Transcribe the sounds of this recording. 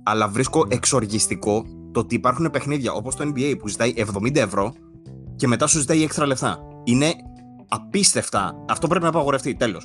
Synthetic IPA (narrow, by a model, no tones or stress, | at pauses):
ɐlɐvɾisko̞ʔe̞kso̞ɾʝist̪iko̞t̪oot̪iːpɐɾxune̞pe̞xniðʝɐʔo̞po̞st̪oenbiejpuzit̪ɐiʔevðo̞mind̪ɐe̞vɾo̞ | ce̞me̞t̪ɐsuzit̪ɐiekst̪ɾɐle̞ft̪ɐ̰ | ine̞ | ɐpist̪e̞ft̪ɐ̰ɐft̪o̞p̬ɾe̞p̬inɐːpɐɣo̞ɾeft̪it̪e̞lo̞s